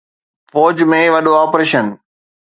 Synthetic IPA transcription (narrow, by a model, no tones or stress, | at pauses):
fɔːd͡ʑmẽʋɐɗoaːpɾeːʃən